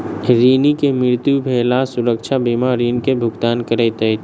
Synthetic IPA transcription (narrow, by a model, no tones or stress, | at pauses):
ɾiːnikemɪɾt̪jubʱeːlasʊɾəkt͡ʃʰabimaɾiːnkebʱʊɡt̪aːnkəɾəjt̪əj̪